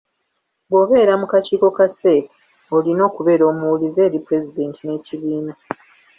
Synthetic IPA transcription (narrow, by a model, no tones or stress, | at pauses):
bo̞βe̞ːɾamukaciːko̞kase̞ka | olino̞ːkuβe̞ːɾo̞ːmuwulize̞ːɾipɾe̞zide̞ːntine̞ːciβiːna